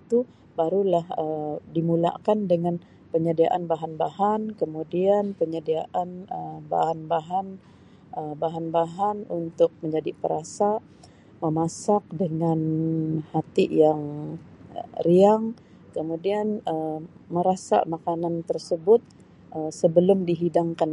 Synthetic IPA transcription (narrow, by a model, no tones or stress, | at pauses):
it̪u | baɾulahədimula̰kandəŋan | pəɲədiaʔanbaɦanbahɦankəmudianpəɲədiaʔanəba̰hanbaɦan | əbaɦanbaɦanunt̪ʊk̚məɲd͡ʒadipəɾasa | məmasak̚dəŋanhat̪ijaŋ | əriaŋ | kəmudianəməɾasa̰makanant̪ərsəbʊt̪̚ | ʔəsəbəlʊmdiɦidaŋkan